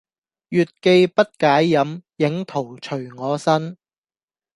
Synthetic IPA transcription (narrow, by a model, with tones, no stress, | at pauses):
jyː˨t̚ke˧jpɐ˥t̚kaː˨˥jːɐ˨˥mjɪ˨˥ŋt̪ʰo˨˩wt͡ʃʰɵ˨˩ɥŋɔː˨˧sɐ˥n